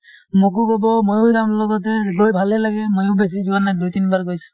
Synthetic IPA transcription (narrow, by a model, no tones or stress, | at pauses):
mokukɔbɔmojʊdamlɔɡɔt̬ɛɡojbʱalɛlaɡɛmojʊbes̬izuanajdujtinbaɹɡojsu̥